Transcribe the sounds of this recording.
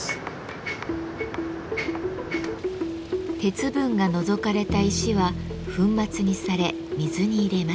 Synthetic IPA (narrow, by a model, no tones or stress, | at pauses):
t̪e̞t͡sɨbɯ̟̃ŋɡano̞zo̞kaɾe̞t̪aiɕiβaɸɯ̟̃mːat͡sɨɲ̟isaɾe̞ | mʲizɨɲ̟iːɾe̞ma